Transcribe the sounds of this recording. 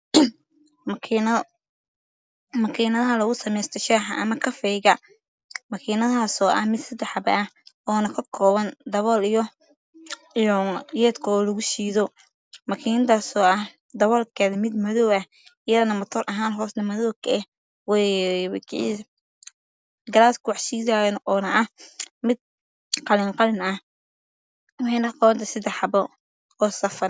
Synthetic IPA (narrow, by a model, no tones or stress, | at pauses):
mɐkʰiːnɐðɐɦɐlɐɣʊsɐmɛjst̪ʰɔʃaːħɐʔɐmɐkʰɐfɛjɣɐ | mɐkʰiːnɐðaːsɔːʔɐhmɪd̪sɐd̪ɛħɐbɐ̰ʔɐɔːnɐkʰɐkʰɔːβɐnd̪ɐβɔːlijɔ | jɔjɛːd̪kʰɔːlɐɣʊʃiːðɔ | mɐkʰiːnɐðaːsɔːɐh | d̪ɐβɔːlkʰɐðɐmɪd̪mɐðɔwɐ | ijɐðɐnɐmɐt̪ʰɔrʔɐɦaːnɦɔːsnɐmɐðɔwkʰɐɛ | wɛwkʰi | ɡɐlaːt̪kʰʊwɑħsiːðajnɔːnɐʔɐhmɪd̪̚ | qɑlɪŋqɑlɪnɐh | wɑħɑjnɐqɔβɐnt̪ʰɐsɪd̪ɛħɑbɔ | ɔːsɐfɐr